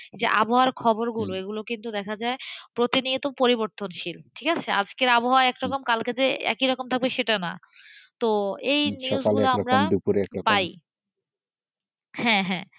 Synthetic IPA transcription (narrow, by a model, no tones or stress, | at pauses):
d͡ʑeʔaboɦaaɾkʰɔboɾɡuloeɡulokint̪ud̪ɛkʰad͡ʑaepɾot̪iniot̪opoɾiboɾt̪onʃilʈʰikat͡ɕʰea̰d͡ʑkeɾaboɦaaɛkɾɔkomkalked͡ʑeɛ̰kiɾɔkomt̪ʰaɡ̚beʃeʈana̰ | t̪oejniozɡuoaɾmɾadupuɾeɛkɾɔpaj | hɛ̃ɦɛ̃